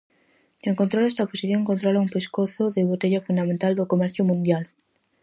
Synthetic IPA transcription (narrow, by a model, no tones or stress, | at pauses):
eŋkont̪ɾoest̪aposiθjoŋkont̪ɾolaumpeskoθoðeβ̞ot̪eʝafund̪amẽnt̪ald̪okomeɾθjomũnd̪jal